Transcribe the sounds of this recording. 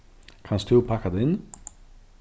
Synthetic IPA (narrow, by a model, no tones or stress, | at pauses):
kʰanst̪ʰʉpʰakad̪ɛɪn